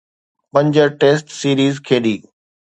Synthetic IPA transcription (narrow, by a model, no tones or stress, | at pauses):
pɐ̃ɲd͡ʑəɾʈeːsʈsiːɾiːzkʰeːɗiː